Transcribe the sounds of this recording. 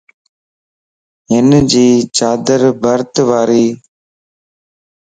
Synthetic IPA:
ɦɪnd͡ʒiːt͡ʃaːd̪əɾbʱəɾt̪ʋaːɾiː

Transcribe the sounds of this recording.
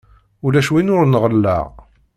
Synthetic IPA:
ʊlæʃwinʊɾnʁəlːa̰ʁ

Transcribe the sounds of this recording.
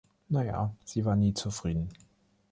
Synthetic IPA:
naja̰ːz̥iːvaːɐniːt͡sufʁ̥iːdn̩

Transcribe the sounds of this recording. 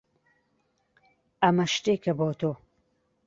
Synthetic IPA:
ɐmɐʃt̪eːkʰɐboːt̪ʰoː

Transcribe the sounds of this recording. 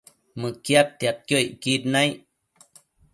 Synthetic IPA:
mɨkjat̪t̪jat̪̚kjokit̪̚nãjʔ

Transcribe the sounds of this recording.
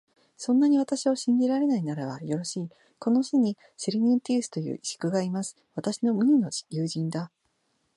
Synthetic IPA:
sõ̞nːaɲ̟iβ̞at̪aɕioɕĩɲ̟d͡ʑiɾaɾe̞nainaɾaβajo̞ɾo̞ɕiː | ko̞no̞ɕiɲ̟i | siɾʲiɲ̟ĩnt̪ʲiːsɨ̥t̪o̞jɯ̰ːʔiɕi̥kɯ̟ɡaimasɨ̥βat̪aɕino̞mɯ̟ɲ̟ino̞̥jɯːʑĩnd̪a

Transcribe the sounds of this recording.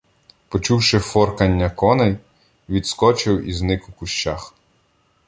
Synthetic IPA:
pɔt͡ʃuwʃɪfɔrkɐnʲːɐkɔnɐj | ʋʲid̪skɔt͡ʃɪwiznɪkʊkʊʃt͡ʃax

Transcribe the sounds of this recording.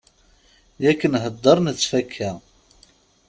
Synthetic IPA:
jækːənɦəd̪ːəɾˤnət͡sːfækʰːæ

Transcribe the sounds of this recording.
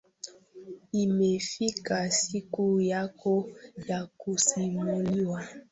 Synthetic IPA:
imefikasikujakojakusimuliwa

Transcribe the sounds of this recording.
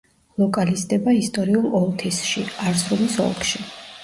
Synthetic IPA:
lˠɔkʼalist̪ʼɛbaist̪ʼɔɾiulˠɔlˠt̪ʰisʃiaɾsɾulisɔ̰lˠkʼʰʃi

